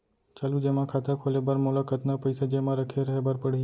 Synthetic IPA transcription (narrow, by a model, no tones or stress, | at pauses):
t͡ʃaːlud͡ʒeːmãkʰaːt̪akʰolebəɾmolakət̪napəɪsad͡ʒemãɾəkʰeɾəɦebəɾpəɽ̤i